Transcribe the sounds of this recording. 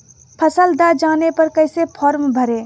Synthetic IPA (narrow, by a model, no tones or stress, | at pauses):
pʰəsəld̪ad͡ʒaːnepɐɾkəɪsepʰɔːɾmbʱəɾe